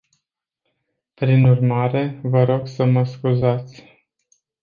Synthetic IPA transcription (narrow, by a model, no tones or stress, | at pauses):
pɾinurmaɾe̞vəɾo̞ɡsəməskuzat̪sʲ